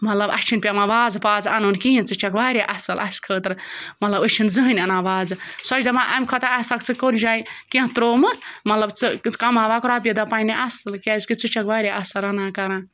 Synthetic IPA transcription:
mɐt̪lɐbɐ̰st͡ʃʰinʲpʲamãʋaːd͡zpaːd͡zɐnunkijĩnt͡sɨt͡ʃʰɐkʋaːɾʲjaʔɐsɐlʔɐskʰəːt̪ɨɾmɐt̪lɐbɨt͡ʃʰinzɨɦɨnʲɐnaːʋaːd͡zɨsɐt͡ʃd̪ɐmãʔamʲkʰɐt̪aasakt͡sɨkoɾʲd͡ʒaːjkẽɦt̪ɾoːmɨmɐt̪lɐbt͡sɨkɐmaːʋaːkɾaːp̬ʲjed̪apainiʔɐsɐlkʲaːzkɨt͡sɨt͡ʃʰɐkʋaːɾʲjaʔɐsɐɾɐnaːkɐɾãː

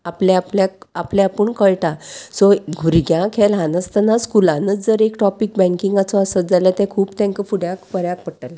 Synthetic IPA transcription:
aplaapljak̚aplaapəɳkəɭʈasɔɡʱuɾɡjãkʰɛlɦanəst̪ənaskulãnət͡sd͡zəɾekʈɔpik̚bɛ̃ŋkiŋɡat͡sɔəsət̪̚d͡zalat̪ɛ̃kʰuːpt̪ɛ̃ŋkəfuɽjãkpəɾjãk̚pəɽʈala

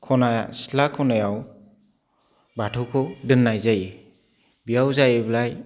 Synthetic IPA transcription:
kʰɔnajasi̥lakʰɔnajaw | batʰɔkʰɔdɯnːajzaje | bijawzajeblaj

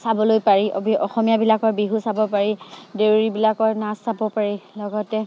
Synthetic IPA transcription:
sabɔlojpaɹibɔxɔmijabilakɔɹbiɦusabɔpaɹidewɹibilakɔɹnasːabɔpaɹilɔɡɔtɛ

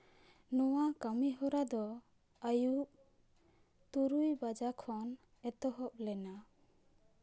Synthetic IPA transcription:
nɔwakamiɦɔɾad̪ɔ | ajuʔ | t̪uɾujbad͡ʒakʰɔn | ɛt̪ɔɦɔp̚lɛna

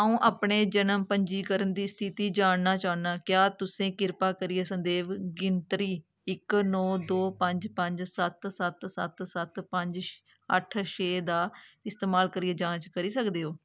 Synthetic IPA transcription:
əũːʔaːpɳeːd͡ʒənəmpəɲd͡ʒiːkəɾənd̪iːst̪ʰit̪iːd͡ʒaːɳnaːt͡ʃaːnnaːkjaːt̪ʊsẽːkɪɾpaːkəɾɪeːsənd̪eːʋɡɪnt̪ɾiː | ɪknɔːd̪oːpəɲd͡ʒpəɲd͡ʒsət̪sət̪sət̪sət̪pəɲd͡ʒ | ə̰ʈʰʃeːd̪aːɪst̪eːmaːlkəɾiːeːd͡ʒãːt͡ʃkəɾiːsəkd̪eːɦoː

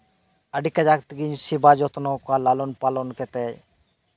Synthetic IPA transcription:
əɖikːad͡ʒak̚t̪iɡiɲʃibad͡ʒɔt̪nɔkalalonpalonkɛt̪ɛj

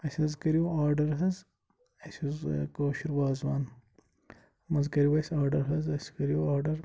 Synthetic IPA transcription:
ɐsʲɐzkɐɾijuaːɾɖɐɾɦɐz | ɐsuzkoːʃiɾʋaːzwaːn | mɐzkɐɾiwɐsaːɾɖɐɾɦɐzɐsʲkɐɾijuaːɾɖɐɾ

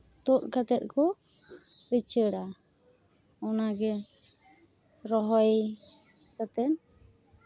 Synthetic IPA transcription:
t̪uʔ̪̚kat̪ɛt̪̚kʰɔ | ɾit͡ʃəɽa | ɔnaɡɛ | ɾɔɦɔj | kat̪ɛn

